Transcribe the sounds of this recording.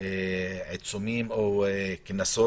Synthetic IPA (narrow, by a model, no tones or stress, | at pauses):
eʕit͡sumimokinaso